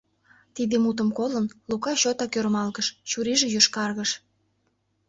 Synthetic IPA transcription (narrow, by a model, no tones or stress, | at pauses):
t̪id̪emut̪̬əmkolənlukɑɕot̪ɑkøɾmɑlɣəʃt͡ɕuɾiʒĕjøʃkɑrɣəʃ